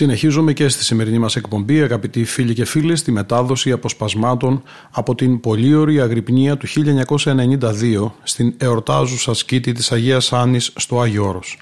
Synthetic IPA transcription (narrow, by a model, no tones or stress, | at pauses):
sine̞çizume̞ce̞st̪i̥sime̞ɾinimɐse̞kpo̞mbiɐɣɐpit̪ifiʎice̞filest̪ime̞t̪ɐðo̞siɐpo̞spɐzmɐt̪o̞n | ɐpo̞t̪impo̞ʎio̞ɾiɐɣɾipɲiɐt̪uçiʎɐeɲɐko̞sɐe̞ne̞ɲind̪ɐðio̞st̪ine̞o̞ɾt̪ɐzusɐscit̪it̪isɐʝeɐsɐnisːt̪o̞ɐʝo̞ɾo̞s